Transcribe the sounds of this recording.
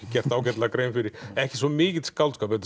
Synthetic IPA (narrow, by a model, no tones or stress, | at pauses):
ɪcɛr̥t̪aːwcɛt̪lakɾejmfɪɾɪɾɛhcɪsvɔmɪːcɪðskawlt̪skapɛt̪